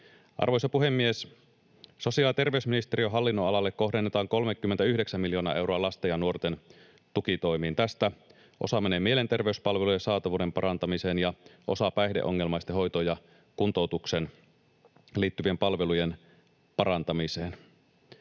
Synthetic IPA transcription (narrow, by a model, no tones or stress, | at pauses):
ʔɑ̰rʋo̞jsɑpuɦe̞mːies | so̞siɑlt̪e̞rʋe̞ysminist̪e̞ɾiøɦɑlːinːoɑlɑlːekkːo̞ɦdenːe̞t̪ɑːŋko̞lmekːymːent̪æyhde̞ksæmːiljo̞ːnɑ̰ʔe̞wɾoɑlɑst̪ejɑnuo̞rt̪e̞n | t̪ukit̪o̞jmiːnt̪æst̪æ | ʔo̞̰sɑmeneːmie̞le̞nt̪e̞rʋe̞yspɑlʋe̞lujesɑːt̪ɑʋuːde̞mpɑɾɑnt̪ɑmise̞ːnjɑʔo̞̰sɑpæjde̞̰ʔo̞̰ŋːe̞lmɑjst̪eɦo̞jt̪ojɑ | kunt̪o̞wt̪ukse̞n | liːt̪ːyʋie̞mpɑlʋe̞lujen | pɑɾɑnt̪ɑmiseːn